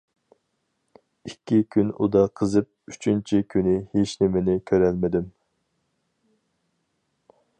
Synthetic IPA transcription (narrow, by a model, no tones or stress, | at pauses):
ikʲʰːikʲʰynṵd̪ɑqʰəzɨp̚y̥t͡ʃʰynt͡ʃʰikʲʰynɪheʃnɪmɪnɪkʲʰøɾɛlmɪd̪ɪm